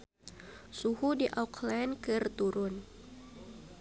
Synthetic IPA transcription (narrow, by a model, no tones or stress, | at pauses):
suhudiʔawkʰlankɨrt̪uɾʊn